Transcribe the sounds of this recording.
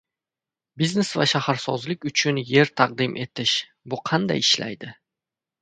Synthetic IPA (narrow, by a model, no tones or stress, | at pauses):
biznesvaʃahaɾsɒzlɪkʲʊt͡ʃʰʊnje̞ɾt̪ʰɑq̚d̪ɪmʔe̞t̪ʰɪʃ | bʊqʰɑnd̪a̰jɪʃla̰jd̪ɪ